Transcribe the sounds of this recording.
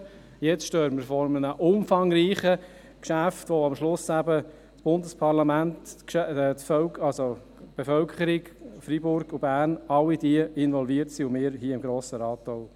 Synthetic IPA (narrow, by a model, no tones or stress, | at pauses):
jɛt͡sʃtøːɾməɾfɔɾmənəʔʊmfɑŋɾiːχə | kʃæftʋoɑmʃlʊsæbə | t͡sb̥ʊndəspʰɑɾlɑmæntkʃtfœlɑlso | b̥efœlkʰχəɾɪɡfɾibʊɾɡʊbæːɾnɑlːidiəɪnʋɔlviətsiʊmɪːɾɦiːəɪmɡɾoːsəɾɑːtːɔl